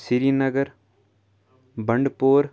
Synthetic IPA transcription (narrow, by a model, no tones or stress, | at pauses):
sɪɾinɐɡɐɾ | bɐɳɖpoːɾ